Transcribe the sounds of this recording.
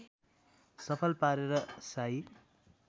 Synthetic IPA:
sʌpʰʌlpaɾeɾʌsaj

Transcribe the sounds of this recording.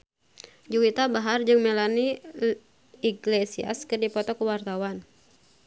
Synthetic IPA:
d͡ʒuwit̪abaɦard͡ʒɨŋmɛlani | iɡlesia̰skɨrdipɔt̪ɔkuwart̪awan

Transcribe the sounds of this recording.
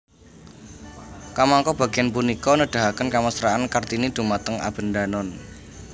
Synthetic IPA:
kamaŋkɔb̥a̤ɡ̥ianpunikɔnəɖ̪̥a̤ɦakənkaməsɾaankart̪inid̪̥ṳmat̪əŋa̰b̥ə̤nd̪anɔn

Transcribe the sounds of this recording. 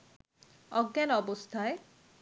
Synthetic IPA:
ɔɡːanɔbost̪ʰae

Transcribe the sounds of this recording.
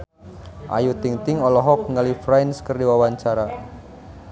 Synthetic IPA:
ʔa̰jut̪iŋt̪ɪŋɔlɔɦɔk̚ŋalifɾajnskərdiwawaɲt͡ʃaɾa

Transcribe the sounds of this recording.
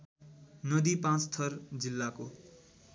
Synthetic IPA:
nʌd̪ipãt͡st̪ʰʌrd͡zilːako

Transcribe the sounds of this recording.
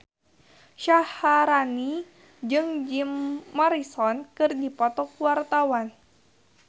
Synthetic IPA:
ʃahaɾani | d͡ʒɨŋd͡ʒimːaɾisɔnkɨrdipɔt̪ɔkuwart̪awan

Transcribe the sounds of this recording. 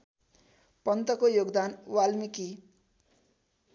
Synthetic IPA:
pʌnt̪ʌkojoɡd̪anwalmiki

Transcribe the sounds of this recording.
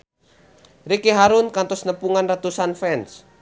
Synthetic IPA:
rikiɦaɾunkant̪ɔsnəpuŋanrat̪usanfɛns

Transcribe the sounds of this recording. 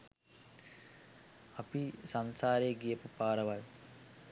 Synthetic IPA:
apisansaːɾeːɡijəpupaːɾəʋaj

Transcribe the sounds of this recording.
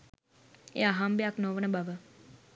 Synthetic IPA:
ḛːaɦambejaknoʋənəbaʋə

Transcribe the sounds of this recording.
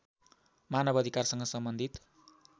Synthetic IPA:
manʌbʌd̪ʱikarsʌŋɡʌsʌmbʌnd̪ʱit̪

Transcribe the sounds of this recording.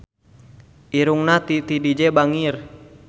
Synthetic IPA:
ʔiɾuŋnat̪it̪idid͡ʒɛbaŋir

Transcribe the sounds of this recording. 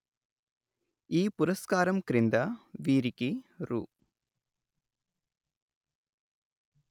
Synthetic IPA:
iːpuɾɐskaːɾɐmkɾind̪ɐʋiːɾikiɾṵː

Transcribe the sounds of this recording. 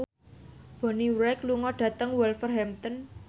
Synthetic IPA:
b̥ɔ̤niwɾɛkluŋɔɖ̥ä̤t̪əŋwɛlfərɦɛmt̪ɔn

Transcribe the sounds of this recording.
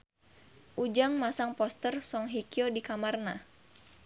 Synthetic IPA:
ʔud͡ʒaŋmasaŋpɔst̪ərsɔŋɦikiodikamarna

